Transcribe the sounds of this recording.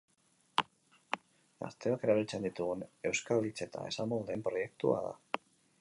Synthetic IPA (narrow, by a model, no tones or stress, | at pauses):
a̰st̪e̞oke̞ɾaβet͡send̪it̪uɣune̞wskalit͡se̞t̪a̰e̞̰samolðe̞mpɾo̞je̞k̚t̪ṵa̰ða̰